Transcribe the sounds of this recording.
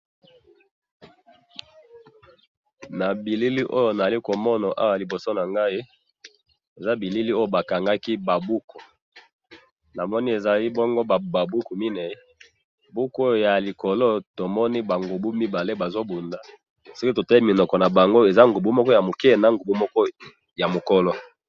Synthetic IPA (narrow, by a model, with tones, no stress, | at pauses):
na˨bi˨li˦li˦ʔo˦jo˨na˨a˨li˦ko˨mɔ˦na˨ʔa̰˦wli˨bo˨so˦na˨ŋɡa˦i˦ | e˨za˦bi˨li˦li˦o˦jo˨ba˨ka˨ŋɡa˦ki˦ba˨bu˦kʰu˨ | na˨mɔ˦ni˦e˨za˨li˦bɔ˦ŋɡo˦ba˨ba˨bu˦ku˨mi˦nɛ˨˦ | bu˦ko˦ja˨li˨kɔ˨lo˦to˨mɔ˦ni˦ba˨ŋɡu˨bu˦mi˦ba˨le˦ba˨zo˦bu˨nda˨ | so˦ki˦to˨ta˦li˦mi˨nɔ˨kɔ˨na˨ba˨ŋɡo˦e˨za˦ŋɡu˨bu˦mɔ˦kɔ˦ja˨mo˨kɛ˦˨na˨ŋɡu˨bu˦mɔ˦kɔ˦ | ja˨mo˨kɔ˦lɔ˦